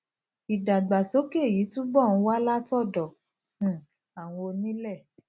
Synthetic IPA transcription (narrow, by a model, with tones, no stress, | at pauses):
i˨da˨ɡ͡ba˨so˨˦ke˦˨ji˨˦tũ˦bɔ˦˨ñ̩˨˦wa˦la˦tɔ˦˨dɔ̃˨ | a˨w̃ɔ̃˧o˧nĩ˦lɛ˦˨